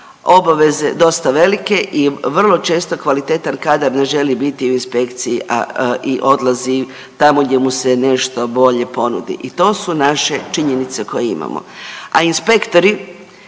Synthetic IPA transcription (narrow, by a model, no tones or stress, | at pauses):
o̞baʋe̞ze̞d̪o̞st̪aʋe̞like̞ʔiʋr̩lˠo̞t͡ʃe̞ːst̪o̞kʋalit̪et̪ankad̪aɾne̞ʒe̞libit̪iuinspe̞kt̪sijiʔa̰iʔo̞d̪lˠazi | t̪amoɡd̪ʲje̞muse̞ne̞ʃt̪o̞bo̞ʎe̞po̞nṵd̪ḭʔit̪o̞ːsunaʃe̞t͡ʃiɲenit̪se̞ko̞jeḭma̰mo̰a̰inspe̞kt̪o̞ɾi